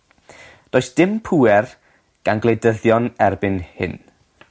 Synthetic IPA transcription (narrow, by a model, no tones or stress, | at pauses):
d̥oːjsd̥ɪmpʰuːɛr | ɡ̥anɡlˠedəðjɔnɛrbɪnhɪ̰n